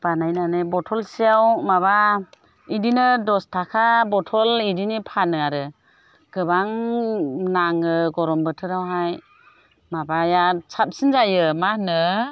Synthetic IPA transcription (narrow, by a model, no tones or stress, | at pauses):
b̥anajnanɯbɔtʰɔlsijawmaba | idinɯdɔstʰakʰabɔtʰɔlidinipʰanɯaɾɯ | ɡ̥ɯbaŋ | naŋɯɡɔɾɔmbɯtʰɯɾawɦaj | mabajasʰap̚sinzajɯmanɯ